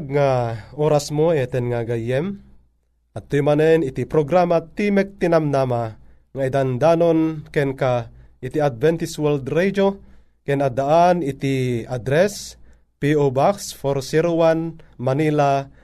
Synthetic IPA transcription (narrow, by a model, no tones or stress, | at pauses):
ɡ̚ŋaoɾasmoɛt̪ɛnŋaɡajɛm | at̪ːujmanɛnit̪ipɾoɡɾamat̪imɛk̚t̪inamnama | ŋaid̪and̪anonkɛnkaʔit̪iad̪̚vɛnt̪iswɛld̪ɾɛd͡ʒo | kɛnad̪aʔanit̪iad̪ɾɛs | piobaksfoɾsɛɾowanmanila